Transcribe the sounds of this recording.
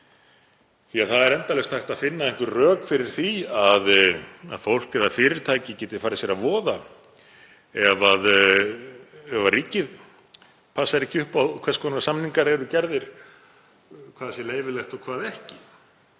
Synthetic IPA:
θiaðθaðɛɾɛnt̪alɛst̪hajht̪aðfɪnːaðɛŋ̥kvʏrœːkfɪɾɪɾ̥θiaða̰ðfowl̥kɛðaðfɪːɾɪɾ̥t̪ʰaːjcɪcɛːt̪ɪ̥ɾ̥faːɾɪsjɛɾavɔːða | ɛvað | ɛvariːcɪð | pʰasaɾɪcʰʏhpawðkʰvɛɾ̥skʰɔnnɾasamniŋkaɾɛɾʏcɛɾðɪɾ̥ | kʰvaːðsɪleːjvɪlɛxt̪ɔkʰvaːðɛhcɪ

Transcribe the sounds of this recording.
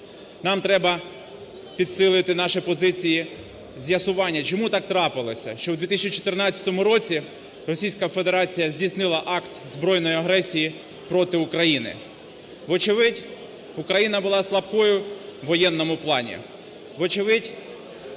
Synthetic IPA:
nɑmt̪ɾɛbɐ | pʲid̪sɪlˠɪt̪ɪnɑʃipɔzɪt͡sʲiji | zʲjɐsʊʋɑnʲːɐt͡ʃɔmut̪ɑk̚t̪ɾɑpɪlˠɔsʲɐ̰ʃt͡ʃɔwd̪ʲʋʲit̪ɪsʲt͡ʃit͡ʃɔ̥t̪ɪrnɑt͡sʲɐ̥t̪ɔmʊɾɔt͡sʲi | rɔsʲijsʲkɐfe̞d̪eɾɑt͡sʲijɐzʲdʲijsnɪlˠɐʔɑkt̪zbɾɔjnɔjiɐɦɾɛsʲiji | pɾɔt̪ɪʊkɾɐjinɪ̰ | ʋɔt͡ʃɪʋɪdʲ | ʊkɾɐjinɐbʊlˠɑslˠɐpkɔjʊʋɔjɛnːɔmʊplˠɑnʲḭ | ʋɔt͡ʃɪʋɪdʲ

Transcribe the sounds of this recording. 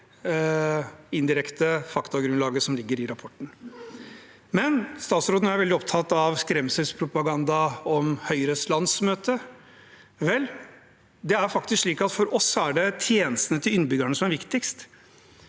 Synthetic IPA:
ɪnd̪ɪɾɛkt̪əfɑkt̪ɑɡɾʉnlɑːɡəsɔmlɪɡːəɾɪɾɑpʰɔʈːn̩ | mɛnst̪ɑːt̪sɾoːd̪n̩æɾʋɛld̪ɪɔp̚t̪ʰɑt̪ːɑʋskɾɛmsɛlspʰɾʊpɑɡɑnd̪ɑɔmhœʏɾəslɑnsmøːt̪ə | ʋɛlː | d̪ɛæɾfɑk̚t̪ɪskʂɭiːkɑt̪fɔɾɔsːɔæɖɛt̪ʰjeːnəst̪ənət̪ʰɪlʏnbʏɡæɳəsɔmæɾʋɪkt̪ɪkst̪

